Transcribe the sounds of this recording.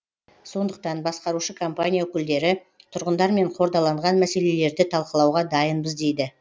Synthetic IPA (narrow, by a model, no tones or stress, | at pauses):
so̞nd̪əq̚t̪ɑnbɑsqɑɾuʃəkʰompanʲijaokʲɪld̪e̞ɾɪ | t̪ʰʊɾʁənd̪ɑɾme̞ɴqʰo̞ɾd̪ɑlˠɑɴʁɑnmæse̞le̞le̞ɾd̪ɪt̪ʰɑlˠqəlˠɑwʁɑd̪ɑjənbəzd̪e̞jd̪ɪ